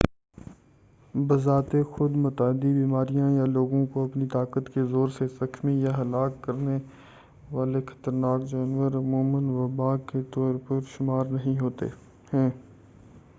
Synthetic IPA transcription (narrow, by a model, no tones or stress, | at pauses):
bɐzaːt̪exʊd̪mʊt̪aːd̪ibiːmaːɾijãjaloːɡõkoɐpnit̪aːkət̪kezoːɾsezɐxmijaɦɐlaːkːɐɾne | ʋaːlexɐ̥t̪əɾnaːkd͡ʒaːnʋəɾɐmuːmənʋɐbaːket̪ɔːɾpəɾʃʊmaːɾnɐɦĩɦoːt̪ḛː | hɛ̃ː